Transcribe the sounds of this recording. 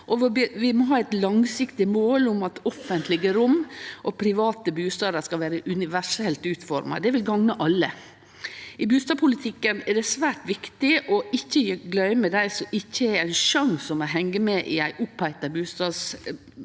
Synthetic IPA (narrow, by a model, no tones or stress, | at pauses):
ʔɔʋɔbʋɪmɔɦɑːɛɪt̪lɑŋsɪkt̪ɪmoːlʊmɑt̪ɔfənt̪lɪɡəɾʊmʔɔpʰɾɪʋɑːt̪əbʉːst̪ɑːd̪əskɑʋæːɾəʔʉnɪʋæʂɛlt̪ʉːt̪fɔɾmɑ̰d̪ɛʋɪlɡɑŋnəʔɑlːə | ʔɪbʉːst̪ɑːpʰʊlɪt̪ʰɪkːənɛd̪ɛsʋæːʈʋɪkt̪ɪʔɔɪçːəjɡlœʏmɛd̪æɪsɔɪçːəɛɾæɪnʃɑŋsɔmɔɦɛŋːəmɛʔɪæɪʔʊpːæɪt̪ɑbʉːst̪ɑːds